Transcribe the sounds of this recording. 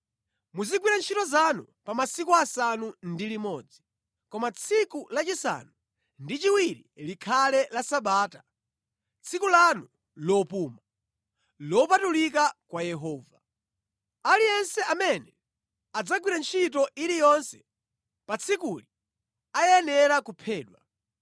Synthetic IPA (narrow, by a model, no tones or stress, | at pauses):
muziɡwiɾant͡ʃʰitɔzanu | pamasikuasanundilimɔd͡zi | kɔmat͡sʰikulat͡ʃisa̰nu | ndit͡ʃiwiɾilikʰalɛlasaɓaːta | t͡sʰikulanu | lɔpuːma | lɔpatulikakwajɛɦɔːva | alijɛnsɛamɛnɛ | ad͡zaɡwiɾant͡ʃʰitɔʔiɾijɔnsɛ̥ | pat͡sʰikuli | ajɛnɛɾakupʰɛːɗwa